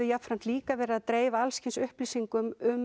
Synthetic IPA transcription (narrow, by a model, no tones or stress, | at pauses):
ʏjafɾan̥t̪liːkavɛːɾaːðt̪ɾeːjvaalscɪnsʏhpliːsiŋkʏmʏm